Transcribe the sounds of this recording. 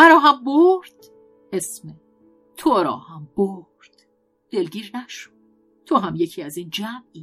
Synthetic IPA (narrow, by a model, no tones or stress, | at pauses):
mæɾɒːɦæmboɾd̪̥ | hesme | t̪ʰoɾɒ̰ːhæmb̥oɾd̪̥ | d̪̥e̞lɟiːɾnæʃo̥d̪̥̚ | t̪ʰoɦæmje̞cʰiːæziːnd͡ʒæmiː